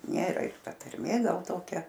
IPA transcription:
ˈnʲeːrɐ ɪr ˈtɐ tɐrʲˈmʲeː ˈɡɐlˠ ˈtoːkʲɛ

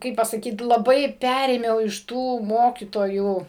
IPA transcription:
ˈkɐɪp pɐsɐˈkʲiːt lˠɐˈbɐɪ ˈpʲæːrʲeːmʲɛʊ ɪʃ ˈtuː ˈmoːkʲiːtoːjuː

